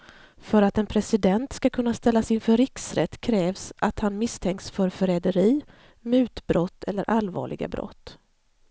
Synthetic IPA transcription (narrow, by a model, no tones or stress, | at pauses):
fœɾat̪ɛnpʰɾɛsɪd̪ɛnt̪skakʰɵnːast̪ɛlːasɪnfœɾɪksɾɛt̪ːkʰɾɛːvsʔat̪hanmɪst̪ʰɛŋksfœɾfœɾɛːd̪əɾiː | mʉ̟ːt̪bɾɔt̪ːɛlːəɾʔalvɑ̰ːɭɪ̰ɡa̰bɾɔ̰t̪ː